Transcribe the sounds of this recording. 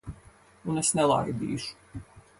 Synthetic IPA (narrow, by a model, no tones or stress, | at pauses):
unesnɛlˠa̰jd̪ḭːʃu̥